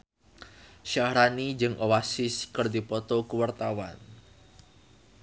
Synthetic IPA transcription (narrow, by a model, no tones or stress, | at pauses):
ʃaɾanid͡ʒɨŋʔowasɪskərd̪ipɔt̪ɔkuwart̪awa̰n